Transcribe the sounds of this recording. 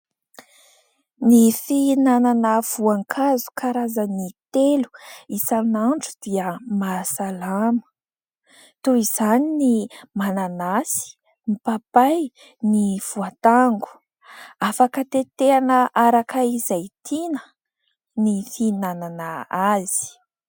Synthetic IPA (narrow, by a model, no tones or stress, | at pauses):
nifinananəv̥uaŋkʰazu̥kʰaɾazənit̪elu̥isanaɳʈ͡ʂud̪iəmasalamə̥ | t̪uiz̥aninimananasi̥ | nipapaj | niv̥uat̪aŋɡu̥ | afakət̪et̪eanəʔaɾakəizajt̪ʰinə̥ | nifinananaaz̥i̥